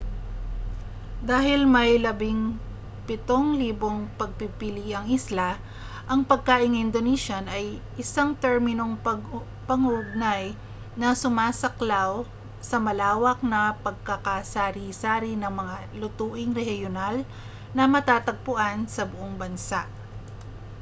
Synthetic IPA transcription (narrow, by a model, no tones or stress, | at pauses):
d̪aːhɪlmɐjlɐbɪŋ | pɪt̪o̞ŋliːbo̞ŋpɐɡ̚pipɪliʔɐŋɪsla | ʔɐŋpɐɡ̚kaːʔɪŋʔɪnd̪oniʃanʔɐjʔɪsaŋt̪ɛɹmɪno̞ŋpɐɡ | pɐŋʊʔʊɡ̚naj | nɐsʊmaːsɐklaw | sɐmɐlaːwɐk̚nɐpɐɡ̚kɐkasaːɾisaːɾinɐŋmɐŋa | lʊt̪uːʔɪŋɾɛhjonal | nɐmɐt̪aːt̪ɐɡ̚pʊʔansɐbʊʔoŋbɐnsaʔ